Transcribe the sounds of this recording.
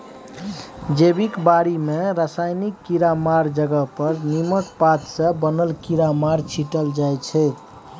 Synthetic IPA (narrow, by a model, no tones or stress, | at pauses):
d͡ʒebikbaɾimeɾəsajnikːiɾamaɾd͡ʒəɡəpəɾniməʈ̚pat̪sə̃bənəlkiɾamaɾt͡ʃʰiʈəld͡ʒajt͡ʃʰɛ